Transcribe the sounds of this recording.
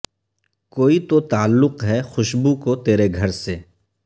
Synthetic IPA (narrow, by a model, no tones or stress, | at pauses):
koːit̪ot̪aːlːʊqɦɛxʊʃbukot̪eːɾeɡʱɐɾseː